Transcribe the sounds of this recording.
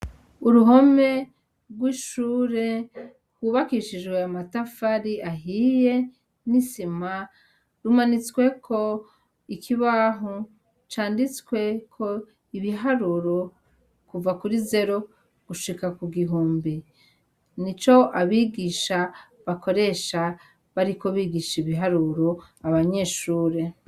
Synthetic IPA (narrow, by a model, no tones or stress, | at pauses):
uɾuɦo̞me̞ | ɾɡwiːʃuːɾe̞ | hwuβakiʃid͡ʒɡweamatafaɾiʔaɦije̞ | nisima | ɾumanit͡swe̞kʰo̞ | ikʰiβaːɦo | t͡ʃaːndit͡skwe̞kʰo̞ | iβiɦaɾuɾo̞ | kuvakuɾize̞ɾo̞ | ɡ̥uʃikakuɡiɦuːmbi | nit͡ʃo̞ʔaβiɡiʃa | βako̞ɾe̞ʃa | βaɾiko̞βiːɡiʃiβiɦaɾuːɾo̞ | aβaɲe̞ʃuːɾe